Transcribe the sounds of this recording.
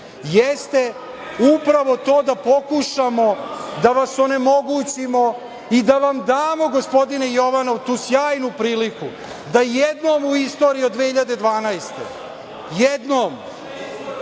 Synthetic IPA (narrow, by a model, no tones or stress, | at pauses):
jest̪e̞ | upɾaʋo̞t̪o̞ːd̪apo̞kuʃamo̞d̪aʋasone̞mo̞ɡut͡ɕimo̞ | id̪aʋamd̪aːmo̞ɡo̞spo̞d̪inejo̞ʋano̞ʋt̪uːsjaːjnupɾiːliku | d̪ajɛd̪noːmuist̪o̞ːɾijod̪ʋehiʎad̪e̞d̪ʋaːnajst̪e̞̰ | jɛd̪noːm